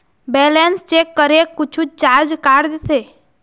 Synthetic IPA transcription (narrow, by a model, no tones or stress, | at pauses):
bɛlenst͡ʃekːəɾekːʊt͡ʃʰut͡ʃaɾd͡ʒkaɾd̪sʰe